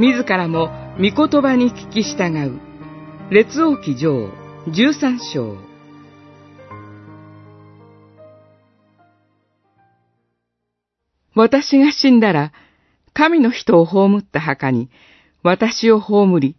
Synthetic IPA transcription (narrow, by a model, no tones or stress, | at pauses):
mʲizɨkaɾamo̞mʲiko̞t̪o̞baɲ̟ikʲi̥kʲiɕi̥t̪aɡaɯ̟ | ɾe̞t͡sɨo̞ːkʲid͡ʑo̞ːd͡ʑɨːsãɰ̃ɕo̞̰ː | βat̪aɕiɡaɕĩnd̪aɾa | kamʲino̞çi̥t̪o̞ːɦo̞ːmɯ̟t̪ːaɦakaɲ̟i | βat̪aɕio̞ho̞ːmɯ̟ɾʲi